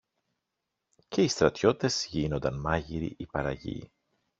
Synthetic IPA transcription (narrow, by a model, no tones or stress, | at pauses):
ce̞ist̪ɾɐt̪ço̞it̪e̞zʝino̞nd̪ɐnmɐʝiɾḭʔipɐɾɐʝḭ